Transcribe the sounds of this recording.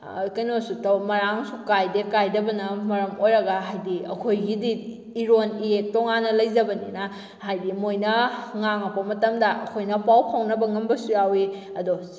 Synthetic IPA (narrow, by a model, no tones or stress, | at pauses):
kɐjnosutɐwmɐɾaŋsukajdekajdɐbɐnɐmɐɾɐmojɾɐɡaɦajdiɐ̰kʰojɡidi | iɾonietoŋanːɐlɐjzɐbɐnḭna | hajdimojnɐŋaŋɐpɐmɐtɐmdɐʔɐ̰kʰojnɐpawpʰawnɐbɐŋɐmbɐsujawi | ɐdo